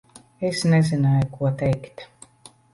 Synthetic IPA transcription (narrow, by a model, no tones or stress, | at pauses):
esnɛzinaːjukuɔt̪ɛjkt̪